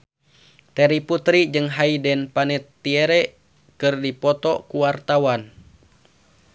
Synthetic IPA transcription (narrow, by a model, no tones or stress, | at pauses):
t̪ɛɾiput̪ɾid͡ʒɨŋɦaidɛnpanɛt̪ːiɛɾɛ | kɨrdipɔt̪ɔkuwart̪awan